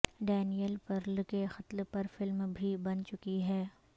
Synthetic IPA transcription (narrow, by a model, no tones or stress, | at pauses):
ɖɛːnijəlpɐɾlkexɐt̪lpɐɾfɪlmbʱibɐnt͡ʃʊkiɦɛː